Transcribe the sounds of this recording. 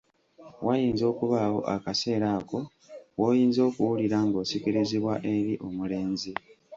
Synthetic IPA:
wajiːnzo̞ːkuβaːwo̞̰ʔa̰kase̞ːɾaːko̞ | woːjiːnzo̞ːkuwuliɾaŋɡo̞ːsikiɾiziβwaʔe̞ɾiʔo̞mule̞ːnzi

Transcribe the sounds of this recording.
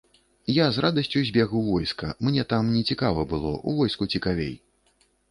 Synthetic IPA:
jazɾʔad̪ɐsʲt͡sʲuzʲbʲɛɣuvɔjskɐmnʲɛt̪amnʲɛt͡sʲikavɐbɨlˠɔ̰ʔṵvɔjskut͡sʲikavʲḛj

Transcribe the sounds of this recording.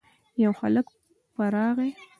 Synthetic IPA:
jawxa̰lək | paɾɑɣe

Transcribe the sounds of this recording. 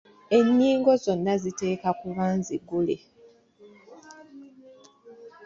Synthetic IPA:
e̞ɲːiːŋɡo̞zo̞nːazite̞ːkakuβaːnziɡulḛ

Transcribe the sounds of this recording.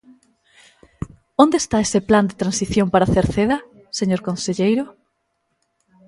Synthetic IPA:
ond̪est̪aesepland̪et̪ɾansiθjompaɾaθeɾθeðɐ | seɲoɾkõnseʎejɾʊ

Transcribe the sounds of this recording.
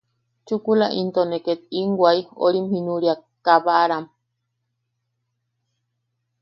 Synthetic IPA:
t͡ʃukulaʔint̪oneket̪iŋɡwʷaio̰ɾimhinũɾiakaβaaɾam

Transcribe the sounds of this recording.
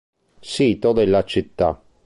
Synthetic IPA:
siːt̪od̪elːat͡ʃit̪ːa̰

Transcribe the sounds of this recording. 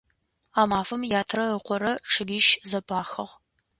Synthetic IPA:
aːmaːfɐmjaːtʰrɐəqʷɔɾɐʈ͡ʂʰɨɡʲiʃzɐbʰʼaːxɐʁ

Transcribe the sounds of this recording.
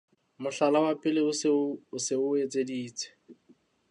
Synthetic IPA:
mʊɬalawapʼɪleʊʊsɪʊet͡sʼediːt͡sʰʼɛ̥

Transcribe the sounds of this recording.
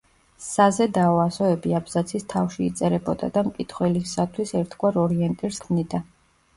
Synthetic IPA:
ssazɛd̪aɔasɔɛbiabzat̪sʰist̪ʰafʃiːt̪sʼɛɾɛbɔd̪a̰d̪amkʼit̪ʰχwɛlisat̪ʰwisɛɾt̪ʰɡwaɾɔɾiɛnt̪ʼiɾskʰmnid̪a

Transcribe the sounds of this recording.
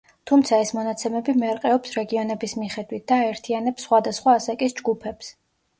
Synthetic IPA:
t̪ʰumt̪sʰaɛsmɔnat̪sʰɛmɛbimɛɾqʼɛɔpsɾɛɡiɔnɛbismiχɛd̪wit̪̚d̪̥aːɛɾt̪ʰianɛpsːχwad̪asχwaːsakʼisd͡ʒɡupʰɛps

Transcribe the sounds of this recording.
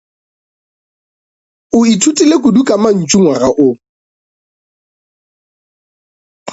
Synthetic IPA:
ʊitʰutʼilekʼʊdukʼaman̩t͡ʃʼuŋwaraʔʊ

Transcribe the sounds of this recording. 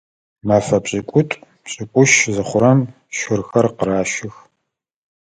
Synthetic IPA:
maːfɐpɕʼɪkʷʼʊtʷʼ | pɕʼɪkʷʼʊʃzɐχʷʊɾɐm | ʃʷʊrxɐrqəɾaːʃɪx

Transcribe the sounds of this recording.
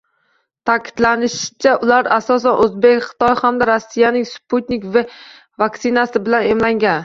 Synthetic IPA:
t̪ʰakʲʰɪ̥d̪lanɪʃɪt͡ʃʰaʔʊlaɾasɒs̬anʔɵzbekʲχɪ̥t̪ʰɒjhamd̪aɾasːijanɪŋsput̪nɪkva | vaksɪnasɪbɪlanemlaŋɡʲan

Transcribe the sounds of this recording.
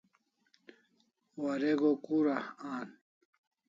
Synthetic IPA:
wɐɾeɡokuɾahaːn

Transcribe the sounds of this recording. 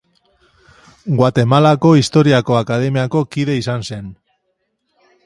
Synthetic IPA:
ɡwat̪e̞malako̞ist̪o̞ɾiako̞akað̞e̞miako̞kiðe̞isanse̞n

